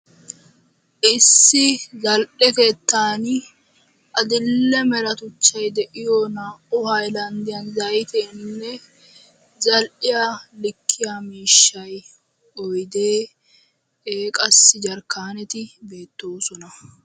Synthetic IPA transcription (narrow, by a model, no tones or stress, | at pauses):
ʔɪsːɪzɐlʔɛkeːt̪ːaːn | ʔɐd̪ɪlːɛmɛɾɐt̪ʊt͡ʃːɐjd̪ɛʔɪjonaːʔʊhɐjlɐnd̪ɪjɐnzɐjt̪ɛnːɛ | zɐlʔɪjalɪkʰːɪjamiːʃːɐj | ɔjd̪eː | eːkʼɐsːɪd͡ʒɐɾkːaːnɛt̪ɪbe̞ːt̪ːo̞ːsɔnɐ